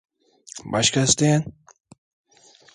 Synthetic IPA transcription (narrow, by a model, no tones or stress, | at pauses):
baʃkʰɐst̪en